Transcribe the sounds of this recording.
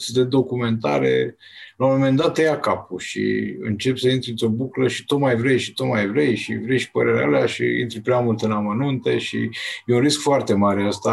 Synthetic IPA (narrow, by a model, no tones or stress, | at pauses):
sʲd̪e̞d̪o̞kume̞nt̪a̰ɾḛ | lamome̞nd̪at̪ːejakapuʃḭɨ̰nt͡ʃe̞psəint̪ɾiɨnt̪ɾo̞bukləʃi̥t̪o̞t̪majvɾe̞jʃi̥t̪o̞t̪majvɾejʃḭvɾejʃi̥pəɾe̞ɾʲḛaleaʃḭḭnt̪ɾpɾʲeamult̪ɨnamənunt̪e̞ʃḭjeunriskfoart̪e̞maɾeəst̪a